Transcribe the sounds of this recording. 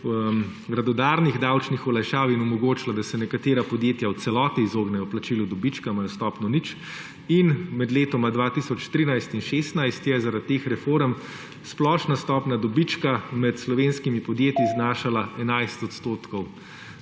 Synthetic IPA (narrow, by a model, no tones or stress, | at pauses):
ɡɾad̪ɔd̪aːɾniɣd̪awt͡ʃnixɔlajʃaːʋinɔmɔɡoːt͡ʃilad̪asɛnɛkat̪eːɾapɔd̪jeːt̪jawt̪sɛlɔːt̪iːzoːɡnɛjɔplat͡ʃiːlud̪ɔbit͡ʃkamajɔst̪ɔːpnɔnit͡ʃ | inmɛd̪leːt̪ɔmad̪ʋat̪isɔt͡ʃt̪ɾiːnajst̪inʃeːst̪najst̪jɛzaɾat̪ːeːxɾɛfoɾɛm | splɔːʃnast̪ɔːpnad̪ɔbit͡ʃkamɛt̪slɔʋenskimipɔd̪jeːt̪jiznaːʃalaɛnajst̪ɔt̪st̪oːt̪kɔw